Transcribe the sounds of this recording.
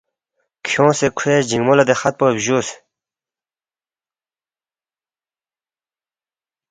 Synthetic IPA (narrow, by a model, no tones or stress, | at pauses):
kʰoŋsekʰwed͡ʑiŋmolat̪ehat̪̚poʑos